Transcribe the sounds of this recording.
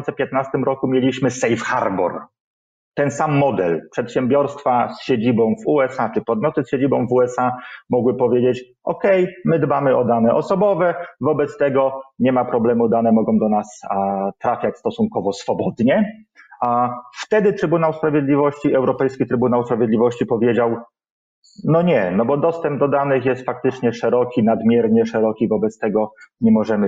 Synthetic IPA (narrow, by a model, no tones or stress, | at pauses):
t̪sɛpʲjɛt̪̚nast̪ɘmɾɔkumʲjelʲiɕmɘsɛjfxa̰ɾbɔ̰ɾ | t̪ɛnsamːɔd̪ɛlpʂɛt̪ɕɛmbʲjɔɾst̪fasɕed͡ʑibɔ̃w̃vuɛsat͡ʂɘpɔd̪̚mʲjɔt̪ɘsɕed͡ʑibɔ̃w̃vuɛsamɔɡwɘpɔvʲjed͡ʑet͡ɕ | ʔɔkɛjmɘd̪bamɘɔd̪anɛʔɔsɔbɔvɛvɔbɛt̪st̪ɛɡɔɲɛmapɾɔblɛmud̪anɛmɔɡɔ̃w̃d̪ɔnast̪ɾafʲjat͡ɕst̪ɔsunkɔvɔsfɔbɔd̪ɲɛaft̪ɛd̪ɘt̪ɾɘbunawspɾavʲjed̪lʲivɔɕt͡ɕiʔɛwɾɔpɛjskʲit̪ɾɘbunawspɾavʲjɛd̪lʲivɔɕt͡ɕipɔvʲjed͡ʑaw | nɔɲɛnɔbɔd̪ɔst̪ɛmb̚d̪ɔd̪anɘxjɛst̪fak̚t̪ɘt͡ʂɲɛʂɛɾɔkʲinad̪mʲjɛɾɲɛʂɛɾɔkʲivɔbɛt̪st̪ɛɡɔɲɛmɔʐɛmɘ